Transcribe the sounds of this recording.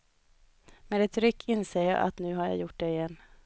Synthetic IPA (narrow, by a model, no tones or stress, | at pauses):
meːd̪ɛt̪ɾʏkʰːɪnseːɾjɑ̰ːʔa̰t̪nʉ̟ːɦaɾja̰jʊʈ̚d̪ɛɪjɛnː